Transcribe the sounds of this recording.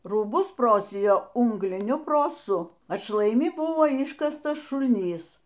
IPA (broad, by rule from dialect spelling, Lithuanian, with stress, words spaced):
ruːˈbʊs ˈproːsʲɪjoː ˈuːŋɡlʲɪnʲʊ proːˈsʊ ɐtʃlˠɐɪˈmʲɪ ˈbʊʋoː ˈɪʃkɐstɐs ʃʊlʲˈnʲiːs